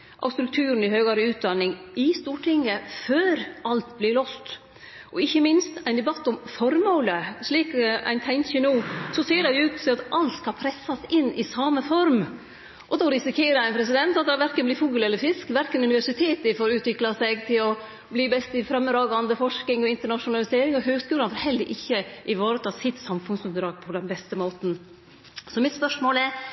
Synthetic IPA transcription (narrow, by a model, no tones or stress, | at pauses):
ʔɑ̰st̪ɾʉk̚t̪ʰʉːɾən̩ɪhøːɡɑːɾəʉːt̪̚d̪ɑnːɪŋɪst̪uːʈʰɪŋːəføːɾɑlt̪blɪɭɔst̪ | ʔɔɪçːəmɪnst̪æɪnd̪ɛbɑt̪ːɔmfɔɾmoːləʂɭiːkæ̰ɪnt̪ʰæɪnçənuːsɔseːɖæɪʉːt̪sʰɪɑt̪ʔɑlt̪skɑlpʰɾɛsːɑsɪnːɪsɑməfɔɾm | ʔɔd̪oːɾɪsɪkʰeːɾəæɪnpʰɾɛsɪd̪ɛnt̪ɑt̪d̪ɛʋæɾkənblɪfuːɡəlɛlːəɾfɪskʋæɾkənʉnɪʋæʂɪt̪ʰeːt̪ɪfoːɾʉːt̪ʋɪklɑsɛɡt̪ʰɪlɔ | bliːbɛst̪ɪfɾɑmːd̪ɾɑːɡɑnd̪əfɔʂkɪŋɔɪnt̪əɳɑʂʊnɑlɪseːɾɪŋɔɦøːɡskʉːlɑnfɔɾhɛlːəɾʔɪçːəʔɪʋɑːɾət̪ʰɑːsɪt̪sɑmfʉnsʉnd̪ɾɑːɡ̚pʰɔd̪ɛnbɛst̪əmoːt̪n̩ | sɔmɪt̪spœʂmoːlɛɾ